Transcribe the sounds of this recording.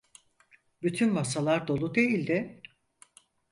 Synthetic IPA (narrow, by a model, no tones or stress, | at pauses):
byt̪ʰynmasalˠaɾd̪o̞lˠud̪e̞jilʲd̪ɪ